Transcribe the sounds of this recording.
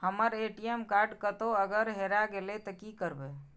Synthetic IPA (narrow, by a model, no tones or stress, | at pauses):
həməɾeʈiemkaɾɖkət̪oəɡəɾɦeɾaɡelet̪əkikəɾbe